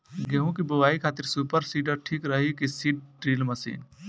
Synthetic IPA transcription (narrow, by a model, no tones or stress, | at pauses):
ɡeɦũkibuʋaːikʰaːt̪iɾsuːpəɾsiːɖəɾʈʰiːkɾəɦikisiːɖ̚ʈɾiːlməsḭːn